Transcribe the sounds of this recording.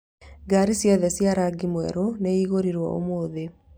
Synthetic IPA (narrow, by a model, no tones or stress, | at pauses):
ɡaɾisjɔðɛsjaɾaɡimwɛ̰ɾoneiɣoɾiɾwɔ̰o̰moːðe